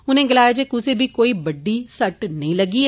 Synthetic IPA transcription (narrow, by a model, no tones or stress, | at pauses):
ʊnẽːɡɪlaːjed͡ʒeːkʊseːbʱiːkoːiːbəɖːiːsəʈnəĩːləɡiː